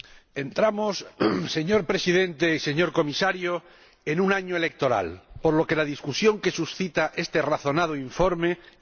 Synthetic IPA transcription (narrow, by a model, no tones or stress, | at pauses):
e̞nt̪ɾamosːe̞ɲo̞ɾpɾe̞sið̞ẽ̞nt̪eise̞ɲo̞ɾko̞misaɾjo | enunaɲoelek̚t̪o̞ɾa̰lpoɾlo̞ke̞laðiskusjo̞ŋke̞susθit̪aʔe̞st̪eraθo̞nað̞oiɱfo̞ɾme̞